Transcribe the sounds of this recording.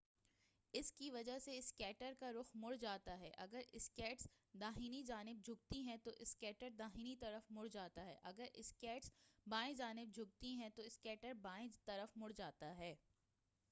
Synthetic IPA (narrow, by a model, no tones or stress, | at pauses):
ɪskiʋɐd͡ʒaɦseɪskɛːʈəɾkaɾʊxmʊɽd͡ʒaːt̪aɦɛːʔɐɡəɾɪskɛːʈs | d̪aːɦinid͡ʒaːnɪb̚d͡ʒʱʊɡ̚t̪iɦɛ̃t̪oʔɪskɛːʈəɾd̪aːɦiːnit̪ɐɾəfmʊɽd͡ʒaːt̪aɦɛːʔɐɡəɾʔɪ̰skɛːʈsbãːẽd͡ʒaːnɪb̚d͡ʒʱʊɡ̚t̪iɦɛ̃t̪oɪskɛːʈəɾbaːẽt̪ɐɾəfmʊɽd͡ʒaːt̪aɦɛː